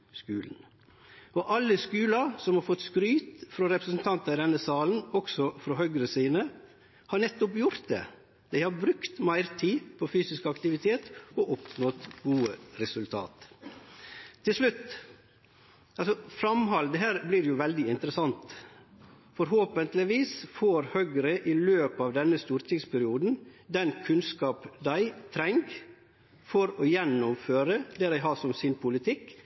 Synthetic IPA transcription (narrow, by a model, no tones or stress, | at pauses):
skʉ̰ːln̩ | ɔʔɑlːəskʉːlɑsɔmhɑɾfɔt̪skɾyːt̪fɾɔɾɛpɾəsnt̪ʰɑnt̪ɑɪd̪ɛnːəsɑːln̩ɔksɔfɾɔhœɡɾəsiːnə | hɑɾɳɛt̪ːɔpjʊɾt̪̚d̪ḛ | d̪̥æɪhɑɾbɾʉkt̪mæɪɾt̪ʰiːpʰɔfyːsɪskɑkt̪ɪʋɪt̪ʰeːt̪ɔʔʊpnɔt̪ɡuːəɾɛsʉlt̪ʰɑ̰ːt̪ | ɪlʂlʉt̪ː | ɑlsɔfɾɑmɦɑld̪əɦæːɾblɪɾɛjʊʋɛld̪ɪɪnt̪ɾəsɑnt̪ | fɔɾɦoːpənt̪lɪʋiːsfoːɾhœɡəɾəʔɪløːpɑːʋd̪ɛnːəst̪uːɾt̪ʰɪŋspʰæɾɪuːd̪n̩d̪ɛnkʰʉnskɑːpd̪æɪt̪ʰɾɛŋɡ | fɔɾɔjɛnːɔmføːɾəd̪ɛːɾæɪɦɑːʂɔmsɪnpʰʊlɪt̪ʰɪk